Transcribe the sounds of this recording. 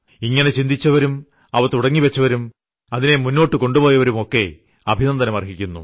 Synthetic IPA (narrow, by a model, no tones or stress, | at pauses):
iŋːɐne̞t͡ɕind̪ʱit͡ɕːɐʋɐɾum | ɐʋɐt̪ːuɽɐŋːiʋet͡ɕːɐʋɐɾum | ɐðinemunːo̞ːʈːɨko̞ɳɖubo̞ːjɐʋɐɾumo̞kːe̞ | ɐbʱinɐmt̪ɐnemɐrɦikʲːunːṵ